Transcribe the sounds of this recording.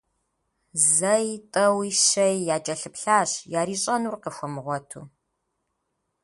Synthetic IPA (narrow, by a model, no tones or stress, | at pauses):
zɐjtʼɐwiʃɐjːaːt͡ʃʼɐɬɨpɬaːɕjaːɾiːɕʼɐnuːrqəxʷɔmɨʁʷɔtʰṵː